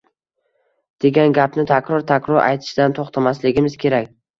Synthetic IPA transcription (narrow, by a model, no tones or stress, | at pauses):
d̪̥e̞ɡʲanɡʲapnɪt̪ʰakʲɾɒɾt̪ʰakʲɾɒɾʔa̰jt̪ʰɪ̥ʃɪd̪ant̪ʰoχt̪ʰamaslɪɡʲɪmɪz̥kʲʰe̞ɾakʲ